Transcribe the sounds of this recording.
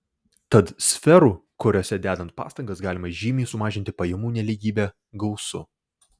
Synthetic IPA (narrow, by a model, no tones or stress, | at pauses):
t̪ɐt̪sʲfʲɛɾuːkʊɾʲoːsʲɛd̪ʲæːd̪ɐnt̪̚pɑ̰ːst̪ɐŋɡɐsɡɑːlʲɪmɐʒʲiːmʲiːsʊmɑːʒʲɪnʲt̪ʲɪpɐjɛmuːnʲɛlʲiɡʲiːbʲɛː | ɡɐʊsʊ̰